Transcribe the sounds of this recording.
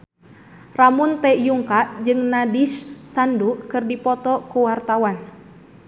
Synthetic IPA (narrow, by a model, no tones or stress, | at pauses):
ramunt̪ɛjuŋkaʔd͡ʒɨŋnadiʃsandukɨrdipɔt̪ɔkuwart̪awan